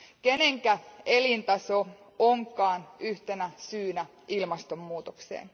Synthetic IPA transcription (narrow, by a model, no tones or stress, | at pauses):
keneŋkæelint̪ɑso | oŋkˑɑːnyht̪enæsyːnæ | ilmɑst̪omːuːt̪oksḛːn